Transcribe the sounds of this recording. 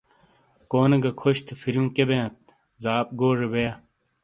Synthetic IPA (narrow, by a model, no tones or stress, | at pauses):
koːnɐɡɐkʰoɕt̪ʰefiɾjũːkebẽːt̪̚ | zaːp̚ɡoːʐebeja